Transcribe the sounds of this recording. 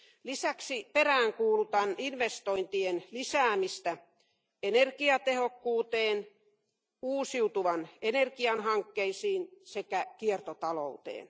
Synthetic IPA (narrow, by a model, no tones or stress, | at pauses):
lisæksiperæːŋkuːlut̪ɑninʋest̪oint̪ienlisæːmist̪æ | enerkiɑt̪ehokːuːt̪eːn | uːsiut̪uʋɑnenerkiɑnhɑŋkːeisiːnsekækiert̪ot̪ɑlo̰ut̪ḛːn